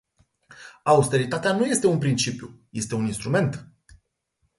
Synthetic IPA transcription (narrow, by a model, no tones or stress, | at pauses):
aust̪e̞ɾit̪at̪eanuje̞st̪eunpɾint͡ʃipjṵje̞st̪e̞uninst̪ɾume̞nt̪